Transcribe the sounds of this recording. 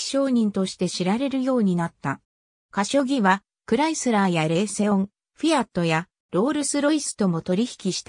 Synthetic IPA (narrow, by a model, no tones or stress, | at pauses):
ɕo̞ːɲ̟ĩnt̪o̞ɕi̥t̪e̞ɕiɾaɾe̞ɾɯ̟jo̞ːɲ̟inat̪ːa | kaɕo̞ɡʲiβa | kɯ̟ɾaisɨɾaːjaɾe̞ːse̞õ̞ŋ | ɸʲiat̪ːo̞ja | ɾo̞ːɾɯ̟sɨɾo̞isɨ̥t̪o̞mo̞t̪o̞ɾʲiçi̥kʲiɕi̥t̪a